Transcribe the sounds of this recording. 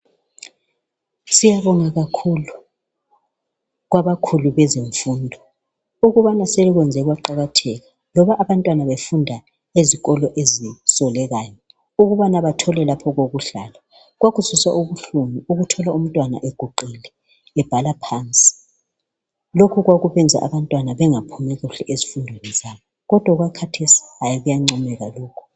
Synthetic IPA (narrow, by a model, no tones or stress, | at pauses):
sijaβɔŋaɣakʰulu | ɣwaβakʰuluβɛzeɱfuːndʱɔ | uɣuβanaseluɣwɛnd͡zʱɛɣwaǃaɣatʰɛɣa | lɔβaʔːβantʼwanaβefundʱa | eziɣɔlɔʔezisɔlɛɣaːjɔ | uɣuβanaβatʰɔlɛlapʰɔɣoɣuɬaːla | ɣwaɣuzusa̰ʔuβuɬumiuɣutʰɔlaum̩tʼwana̰ʔɛɡ̥ʱuǃelɛ | ɛb̥ʱalapʰant͡sʼi̥ | lokʰuɣwaɣuβɛnd͡zʱa̰ʔaβantʼwanaβɛŋapʰumɛɣuɬɛʔezifundʱwenɛzajɔɣɔd̥ʱwaɣwakʰatʰesi̥ajiɣujaŋ͡ǀɔmɛɣaloːkʰu̥